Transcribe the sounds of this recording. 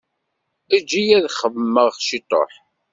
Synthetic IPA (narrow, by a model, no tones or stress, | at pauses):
æd͡ʒijæðχəvmːəʁʃit̪ˤo̰ħ